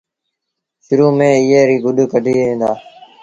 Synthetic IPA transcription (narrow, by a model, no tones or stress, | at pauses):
ʃʊɾuːmẽːɪjeːɾiːɡʊɗkəɖʱiːẽːnd̪aː